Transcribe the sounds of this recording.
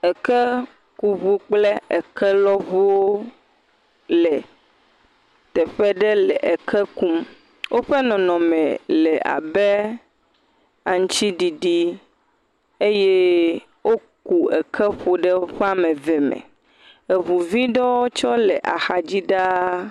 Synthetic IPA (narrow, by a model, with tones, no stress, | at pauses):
ɛ˨kɛ˦ | ku˨βu˨k͡plɛ˦ɛ˨kɛ˦lɔ˦βu˦wo˦ | lɛ˨ | t̪ɛ˨ɸɛ˦ɖɛ˦lɛ˨ʔe˨kʰɛ˦ku˦m | wʔo˦ɸɛ˦nɔ̃˨nɔ̃˨mɛ̰̃˨lɛ˨a̰˨bɛ˦ | a˨ŋ̩̃˦t͡ʃi˦ɖi˨ɖi˦ | e˦jɛ˦ | wo˦ku˨ɛ̰˨kʰɛ˦ɸo˨ɖɛ˦o˦ɸe˦a˦mɛ̃˨vɛ˨mɛ̰˨ | e˨βu˨vi˦ɖɔ˦wo˦t͡ʃɔ˦lɛ˨ʔa˨xa˨d͡ʑi˦ɖa˦